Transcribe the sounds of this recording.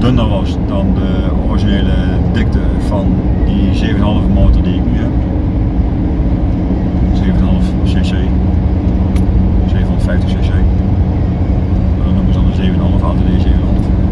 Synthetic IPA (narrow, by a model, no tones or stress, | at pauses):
d̥ønərʋɑsdɑndə | ɔriʒineːlə | dɪk̚təv̥ɑn | dizeːvənəɦɑlˠəvəmɔːtədiɪknyə | zeːvənəɦɑlˠəfsesej | z̥eːvənondətfɛjftəχsesej | adɔnuməzədɑndəzeːvənɦɑlˠəfaːtəʋezeːvənɦɑlˠəf